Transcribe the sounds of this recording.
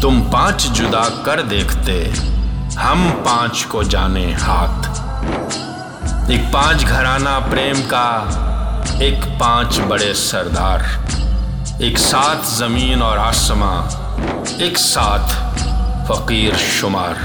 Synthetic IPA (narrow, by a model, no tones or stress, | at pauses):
t̪ʊmpãːt͡ʃd͡ʒʊd̪akɐɾd̪eːkʰt̪e | hɐmpãːt͡ʃkod͡ʒaːnehaːt̪ | eːk̚pãːt͡ʃɡʱɐɾaːnapɾeːmka | eːkpãːt͡ʃbɐɽesɐɾd̪aːɾ | eːksaːt̪ʰzɐmiːnɔːɾaːsma | eːksaːt̪ʰ | fɐqiːɾʃʊmaːɾ